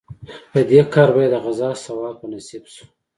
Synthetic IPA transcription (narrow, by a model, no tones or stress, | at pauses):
pəd̪ekɑɾbajd̪əɣazɑsawɑpənasibsu̥